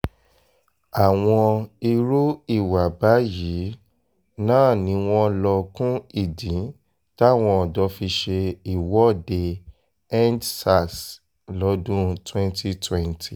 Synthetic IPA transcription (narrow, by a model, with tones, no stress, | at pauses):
a˨w̃ɔ̃˧i˧ɾu˦i˦˨wa˨ba˨˦jiː˨˦ | nãː˦˨nĩ˨˦w̃ɔ̃˧lɔ˧kũ˦i˦˨dĩ˨˦ | ta˦˨w̃ɔ̃˧ɔ˨dɔ˨˦fi˧ʃe˧i˨wɔ˦˨de˧ | ɛ˦ndsa˦˨s | lɔ˨˧˦dũ˦twɛ̃˦nti˧twɛ̃˦ntʰi˨